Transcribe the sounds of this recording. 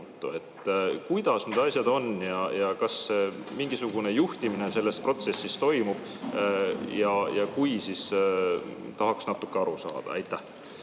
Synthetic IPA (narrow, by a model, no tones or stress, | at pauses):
t̪ːˑue̞t̪ːˑkujd̪̥ɑsned̪ɑsʲjɑd̪o̞njɑjɑkɑsːemiŋɡisuɡ̥une̞juht̪imine̞se̞lːe̞spro̞t̪se̞sːist̪o̞jmub̥ | jɑjɑkujsis | t̪ɑɦɑksnɑt̪ːˑukːe̞ɑɾusɑ̰ːd̪̥ɑ̰ḛjt̪ːˑæh